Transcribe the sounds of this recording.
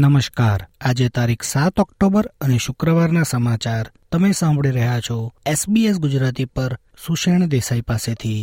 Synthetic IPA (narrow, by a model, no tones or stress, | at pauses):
nəməʃkaɾad͡ʒet̪aɾikʰsat̪ɔkʈobəɾəneʃʊkɾəʋaɾnasəmat͡ʃaɾt̪əmesãmbʱɭiɾəɦat͡ʃʰɔesbies̬ɡʊd͡ʒɾat̪ipəɾ | suʃeɳ̃d̪esaipaset̪ʰi